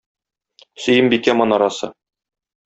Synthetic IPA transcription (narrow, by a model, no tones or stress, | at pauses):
sɵ̆jɘmbikæmɒnɑɾɑsɤ̰